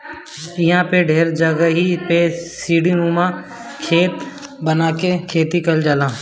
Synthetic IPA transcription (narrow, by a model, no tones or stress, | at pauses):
ɪɦãːpeɖʱeːɾd͡ʒəɡəɦipesiːɽinũːmãː | kʰeːt̪ | bənaːkekʰeːt̪ikəld͡ʒəlãː